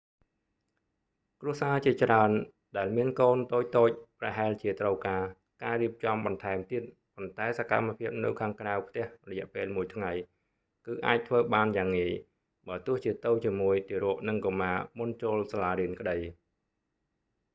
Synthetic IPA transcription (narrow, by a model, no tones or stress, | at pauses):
kruəsaːt͡ɕiət͡ɕraən | ɗaɛlmiənkoːnt̪oːc̚t̪oːc̚prɑɦaɛlt͡ɕiət̪rəwkaː | kaːɾiəp̚t͡ɕɑmɓɑnt̪ʰaɛmt̪iət̪̚ | pont̪aɛsaka̰mːapʰiəp̚nɨwkʰaːŋkrawpʰt̪ɛ̆əhrɔjɛ̆əʔpeːlmuəjt̪ʰŋaj | kɨːʔa̰ːc̚t̪ʰʋəːɓaːnjaːŋːiəj | ɓaːt̪ʊ̆əht͡ɕiət̪ɨwt͡ɕiəmuəjt̪iəɾŏəʔnɨŋkomaːmunt͡ɕoːlsalaːɾiənkəɗəj